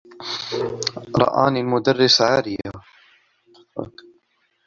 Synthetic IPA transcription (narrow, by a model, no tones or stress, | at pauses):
ɾˤɑ̰ʔa̰ːnilmʊd̪arːɪsʕaːɾɪja